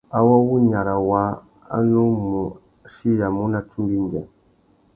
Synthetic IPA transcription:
a˨wɔ˦wu˦ɲa˨ɾa˨wa˦ | a̰˦nu˦mu˨˦ | ʃi˦ja˨mu˦na˨t͡ʃu˦ɡi˦ŋ˨ɡɛ˨

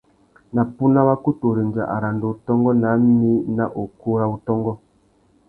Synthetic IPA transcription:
na˨pu˦na˦βa˦ku˦to˨ɾe˨nd͡ʒa̰˨ʔa̰˨ɾa˨ndo˨u˨tɔ˦ŋɡɔ˦na˨˦m˦ni˦na˦ʔo˨ko˦ɾa˦u˦tɔ˦ŋɡɔ˦

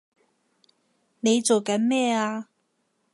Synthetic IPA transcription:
ne˨˧jt͡so˨wkɐ˨˥nmɛː˥aː˧

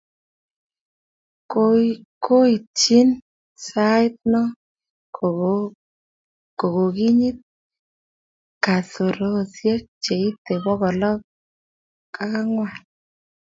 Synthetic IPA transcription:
ko˦i˨t͡ʃi˦n | sa˦ɪ˦t̪̚nɔ˦ | ko˨ɡo˨ɡi˦ɲi˦t̪̚ | ka˨to˨ɾo˦˨sje˦k̚t͡ʃe˨i˦t̪e˨bɔ˦ɣɔ˨lɔ˦k | ka˦ka˦ŋwa˨

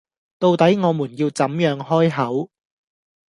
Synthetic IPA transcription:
t̪o˧wt̪ɐ˨˥jŋɔː˨˧muː˨˩njiː˧wt͡sɐ˨˥mjœː˨˧ŋɦɔː˥jɦɐ˨˥w

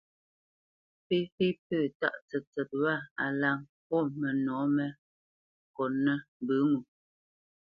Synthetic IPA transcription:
fi˦fi˦pəː˦˨ta̰˦ʔt͡sɛ˨t͡sɛ˨t̚wa˦˨a˨la˦˨ŋ | pɔ˦˨mɛ˨nɔ˨˦mɛ˦ | kɔ˨nɛ˦m˨bɨ˨˦ŋu˨

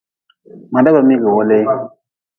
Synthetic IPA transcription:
ma˨da˦ba˨mi˦ɡə˨wo˦le˦

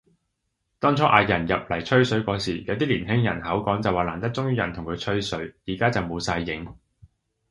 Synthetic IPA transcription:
t̪ɔː˥ŋt͡sʰɔː˨˥ʔa̰ː˨˧jɐ˨˩njɐ˨p̚lɐ˨˩jt͡ʃʰɥsɵ˨˥ɥkɔː˨˧siː˨˩jɐ˨˧wt̪iː˥liː˨˩nɦɪ˥ŋjɐ˨˩nhɐ˨˥wkɔː˨˥ŋt͡sɐ˨waː˨˩laː˨˩nt̪ɐ˥k̚t͡sʊ˥ŋjyː˥jɐ̰˨˩nt̪ʰʊ˨˩ŋkʰɵ˨˧t͡ʃʰɵ˥ɥsɵ˨˥ɥjiː˨˩kaː˥t͡sɐ˨wmo˨˧wsaː˧jːɪ˨˥ŋ

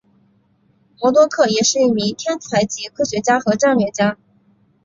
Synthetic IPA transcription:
mwɔ˧˥t̪wɔ˥kʰɤ˥˩jɛ˨˩ʂɻ̩˥˧i˥˩mi˧˥ŋt̪ʰjɛ˥nt͡sʰa˧˥ɪt͡ɕi˧˥kʰɤ˥ɕɥɛ˧˥t͡ɕja˥xɤ˧˥ʈ͡ʂa˥˧ŋlɥɛ˥˩t͡ɕja˥

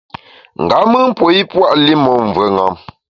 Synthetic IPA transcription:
ŋ̩˨ɡa˨˦mɨ˦m̩˦pwo˨˦i˦pwa˦ʔli˦mɔ˨ɱ˨və˨˦ŋa˨˦m

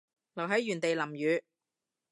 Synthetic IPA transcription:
lɐ˨˩wɦɐ˨˥jɥyː˨˩nt̪e˨jlɐ˨˩mjyː˨˧˥

